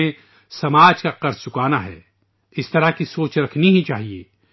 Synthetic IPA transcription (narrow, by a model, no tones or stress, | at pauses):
ẽ | sɐmaːd͡ʒkaqɐɾst͡ʃʊkaːnaɦɛ̰ː | ɪst̪ɐɾakisoːt͡ʃɾɐkʰniɦĩt͡ʃaːɦiḛː